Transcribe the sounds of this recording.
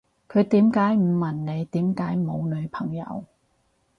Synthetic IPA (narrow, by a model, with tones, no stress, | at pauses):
kʰɵ˨˧ɥt̪iː˨˥mkaː˨˥jm̩˨˩mɐ˨˩nne˨˧jt̪iː˨˥mkaː˨˥jmo˨˧wlɵ˨˧ɥpʰɐ˨˩ŋjɐ̰˨˧w